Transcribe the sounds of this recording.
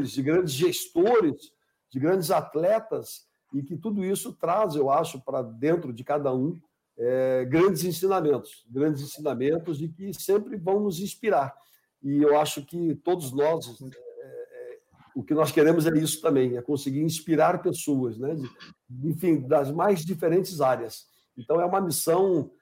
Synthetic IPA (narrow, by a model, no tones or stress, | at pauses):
ɾɪzd͡ʒɪɡɾɐ̃nd͡ʒɪzʒest̪oɾɪz | d͡ʒɪɡɾɐ̃nd͡ʒɪzat̪lɛt̪ɐs | ɪkɪt̪ud̪ʊisʊt̪ɾazewaʃʊpɾɐd̪ẽnt̪ɾʊd͡ʒɪkad̪ɐũ | ɛɡɾɐ̃nd͡ʒɪzĩsĩnamẽnt̪ʊ̥sɡɾɐ̃d͡ʒɪzĩsĩnamẽnt̪ʊzɪkɪsẽmpɾɪvɐ̃w̃nʊzĩspiɾaɾ | ɪewaʃʊkɪt̪od̪ʊznɔzɛɛɛ | ʊkɪnɔskeɾẽmʊzɛisʊ̥t̪ɐ̃mbẽj̃ɛkõsɪɡiɾĩspiɾaɾpesoɐznɛ | ẽfĩd̪ɐzmajzd͡ʒifeɾẽnt͡ʃɪzaɾjɐs | ẽnt̪ɐ̃w̃ɛũmɐmisɐ̃w̃